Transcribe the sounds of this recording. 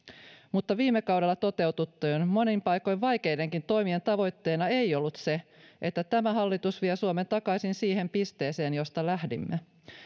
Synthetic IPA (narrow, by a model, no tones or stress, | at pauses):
mut̪ːɑʋiːmːekɑwɾe̞lːɑt̪o̞t̪e̞wt̪ut̪ːøːnmo̞nimpɑjko̞jʋʋɑjke̞jde̞ŋkint̪o̞jmie̞nt̪ɑʋo̞jt̪ːe̞ːnɑejo̞lːut̪se̞ʔet̪ːæt̪æmæɦɑlːit̪usʋiesuome̞nt̪ɑkɑisinsiːhe̞mpist̪e̞ːse̞ːnjo̞st̪ɑlæhdḭmːe